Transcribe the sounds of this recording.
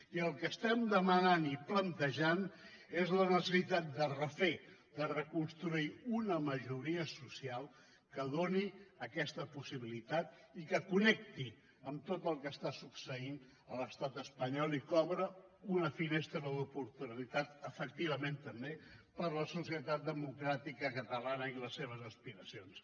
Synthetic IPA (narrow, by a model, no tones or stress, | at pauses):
iəlˠkəst̪ɛmd̪əmənaniplənt̪əʒan | ezlənəsəsit̪at̪̚d̪ərəfed̪ərəkunst̪ɾuiunəməʒuɾiəsusialˠ | kəð̞oniəkɛst̪əpusiβilit̪at̪ | ikəkunɛk̚t̪i | əmt̪ot̪əlˠkəst̪asuksəin | ələst̪at̪əspəɲɔlikɔβɾəunəfinest̪ɾəðəðupuɾt̪unəlit̪at̪əfək̚t̪iβəment̪əmbepəɾləsusiət̪at̪̚d̪əmukɾat̪ikəkət̪əlanəiləsːeβ̞əzəspiɾəsions